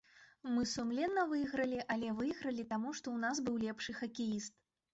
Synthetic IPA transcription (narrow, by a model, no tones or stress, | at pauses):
mɨsumlʲɛnːɐvɨjɣɾɐlʲiʔɐlʲɛvɨjɣɾɐlʲit̪amuʂt̪ɔwnazbɨwlʲɛpʂɨxɐkʲijist̪